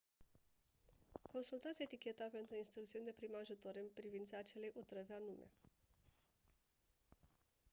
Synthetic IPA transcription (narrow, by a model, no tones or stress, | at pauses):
ko̞nsult̪at̪sijet̪ikʲe̞t̪ape̞nt̪ɾuinst̪ɾukt̪siunʲd̪e̞pɾimeaʒut̪o̞ɾɨmpɾivint̪saːt͡ʃe̞le̞jʔut̪ɾəvanume̞̰